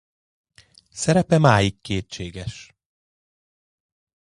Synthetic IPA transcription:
sɛɾɛpɛmaːjikːeːt͡ʃeːɡɛʃ

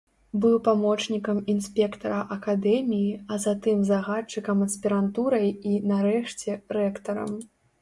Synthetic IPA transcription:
bɨwpamɔt͡ʂnʲikɐminsʲpʲɛkt̪ɐɾɐʔɐkad̪ɛmʲijiɐzat̪ɨmzaɣat͡ʂɨkɐmɐsʲpʲiɾant̪uɾɐjinaɾɛʂt͡sʲɛɾɛkt̪ɐɾɐ̰m

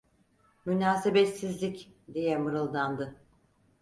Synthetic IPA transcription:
mynaːsebɛt̪sizlʲicd̪ijɛmɯɾɯlˠd̪and̪ɯ

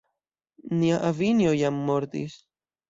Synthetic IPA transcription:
niaʔavinjojamːoɾt̪ḭs

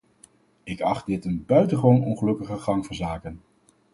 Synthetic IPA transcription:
ɪkɑχt̚dɪtənbœɥtəχʋownɔnχəlɵkəχəχɑŋvɔːɹzaːkən

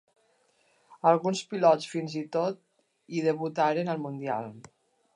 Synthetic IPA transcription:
əlˠɣunspilɔt͡sfinzit̪ot̪̚ | iðeβut̪aɾenəlˠmund̪ia̰lˠ

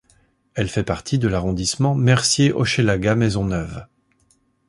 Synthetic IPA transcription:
ɛlfɛpaʁt̪ʰid̪əlaʁɔ̃d̪ismɑ̃mɛʁsjeʔɔʃelaɡamɛzɔ̃nœv

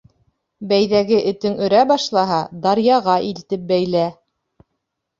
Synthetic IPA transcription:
bæjðæɡɘʔɘ̆t̪ɘŋɵ̆ɾæbɑʃlˠɑɦɑd̪ɑɾjɑʁɑʔilt̪ɘp̚bæjlæ

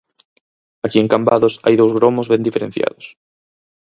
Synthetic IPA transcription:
akieŋkambaðʊsa̰jðowzɣɾomozβẽnd̪ifeɾḛ̃n̟θja̰ðʊs

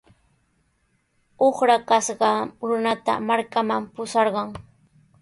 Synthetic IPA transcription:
oχɾakasɢɑɾʊnat̪a̰maɾkamampʊsɑɾɢɑŋ

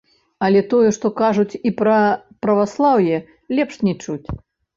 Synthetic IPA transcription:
ɐlʲɛt̪ɔjɛʂt̪ɔkaʐut͡sʲipɾɐpɾɐvaslˠawjɛ | lʲɛpʂnʲɛt͡ʂut͡sʲ

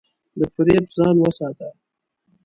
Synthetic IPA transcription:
d̪əfɪɾepzɑːnwəsɑt̪a

